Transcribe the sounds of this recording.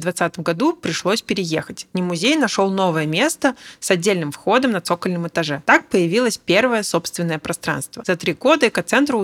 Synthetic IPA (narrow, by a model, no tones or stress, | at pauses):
d̪vɐt̪sat̪əmɡɐd̪upɾʲɪʂlˠo̞sʲpʲɪɾʲɪjexətʲnʲɪmʊzʲejnɐʂolˠno̞vəjəmʲe̞st̪əsɐdʲːelʲnɨmfxo̞d̪əmnɐt̪sokəlʲnɨmɨt̪ɐʐɛt̪ak̚pəjɪvʲilˠəsʲpʲe̞rvəjəso̞pst̪vʲɪnːəjəpɾɐst̪ɾa̰nst̪vəzɐt̪ɾʲiɡo̞d̪əɛkɐt̪sɛnt̪ɾʊ